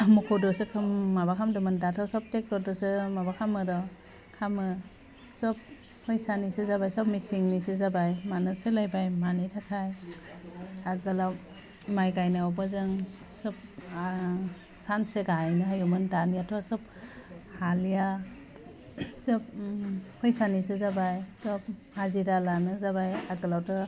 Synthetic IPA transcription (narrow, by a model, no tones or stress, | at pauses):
mɔkʰɔdɔsɯkʰɯmːabakʰamdɯmɯndatʰɔsɔp̚tek̚tɔdɔsɯmabakʰamɯɾɔ | kʰamɯ | sɔp̚ | hɔjsanisɯzabajsɔp̚misiŋnisɯzabajmanɯsɯlajbajmanɯjtʰakʰaj | aɡɯla | majɡajnaɔb̬ɔzɯŋ | sɔp̚ | sanseɡajnɯɦajumɯndanijatʰɔsɔp̚ | halija | sɔp̚hʰɔjsanis̬ɯzabajsɔp̚haziɾalanɯzabajaɡɯlawtɯ